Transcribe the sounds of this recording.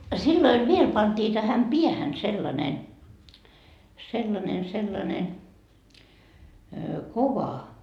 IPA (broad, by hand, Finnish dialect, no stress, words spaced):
silːoiʋ ʋiel pɑntiː tæhæm piæhæn selːɑne selːɑnen selːɑne koʋɑ